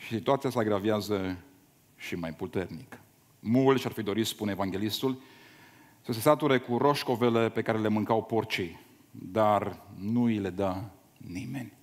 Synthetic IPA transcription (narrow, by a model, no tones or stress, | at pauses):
ʃi̥sit̪uat̪sijasaɡɾaveazə | ʃimajput̪e̞rnik | mult̪ʃarfid̪o̞ɾit̪spunevaŋɡʲe̞list̪ul | səs̬e̞sat̪uɾekuro̞ʃko̞vele̞pe̞kaɾe̞le̞mɨŋkawpo̞rt͡ʃij | d̪arnuile̞d̪a | nime̞nʲ